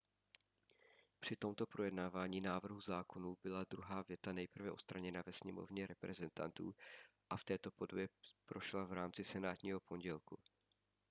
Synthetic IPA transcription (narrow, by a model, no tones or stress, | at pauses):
pr̥ɪt̪o̞mt̪o̞pɾojɛdnaːvaːɲiːnaːvr̩ɦuzaːkʰo̞nuːbɪlad̪ɾuɦaːvjɛt̪anɛjpr̩vɛʔo̞tt͡sst̪ɾaɲɛnavɛsɲɛmo̞̰vɲɛɾɛpɾɛzɛnt̪a̰nt̪ṵːʔaft̪ɛːt̪o̞po̞dobjɛpɾo̞ʃlavɾaːmt͡sɪsɛnaːt̪ɲiːɦo̞po̞ɲɟɛlku